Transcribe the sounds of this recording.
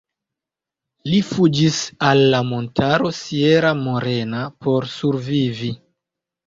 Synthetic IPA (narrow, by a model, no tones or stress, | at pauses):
lifud͡ʒisalːamo̞ntaɾo̞sieɾamo̞ɾe̞napo̞ɾsuɾvivi